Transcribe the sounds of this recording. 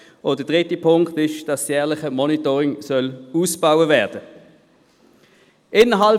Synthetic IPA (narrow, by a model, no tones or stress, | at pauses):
ʊd̥əd̥ʁɪtipʰʊŋktɪʃd̥ɑsjɛːɐlɪχəmɔnitɔːʁɪŋsœluːsb̥awəvæːɐd̥ə | ʔɪnəɦɑl